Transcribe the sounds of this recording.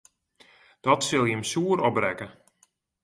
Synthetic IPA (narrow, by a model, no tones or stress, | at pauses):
d̥ɔtsɪlˠjəmsuːəɾɔbrɛkə